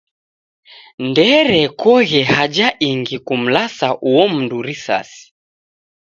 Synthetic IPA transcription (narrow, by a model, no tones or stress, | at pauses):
ndɛɾɛkɔɣɛhad͡ʒaʔiŋɡikum̩lasaʔuwɔm̩nduɾisa̰si̥